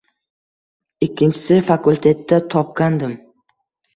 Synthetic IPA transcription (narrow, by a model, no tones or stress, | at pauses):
ɪkʲʰːɪnt͡ʃʰɪ̥sɪfakulʲˠt̪ʰe̞t̪ːat̪ʰɒp̚kʲand̪ɪm